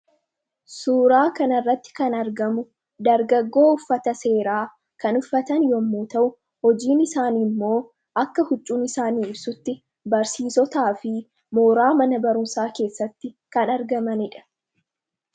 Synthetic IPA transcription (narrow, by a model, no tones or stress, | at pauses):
suːɾaːkɐnɐrːɐt̪ːɪ̥kɐnɐɾɡɐmʊ | d̪ɐɾɡɐɡːo̞ːʊfːɐt̪ɐse̞ːɾaː | kɐnʊfːɐt̪ɐnjɔmːuːt̪ɐʔʊ | hɔd͡ʒiːnɪsaːniːmːo̞ː | ʔɐkːɐhʊt͡ʃʼːuːnɪsaːniːɪbsʊt̪ːɪ | bɐɾsiːsɔt̪aːfɪ | moːɾaːmɐnɐbɐɾʊnsaːke̞ːsːɐt̪ːɪ | kɐnɐɾɡɐmɐnɪᶑɐ̥